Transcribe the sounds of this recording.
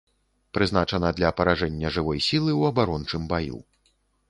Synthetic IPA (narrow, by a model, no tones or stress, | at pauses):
pɾɨzn̪at͡ʂɐnɐd̪lʲɐpɐɾaʐɛnʲːɐʐɨvɔjsʲilˠɨwɐbaɾɔnt͡ʂɨmbajṵ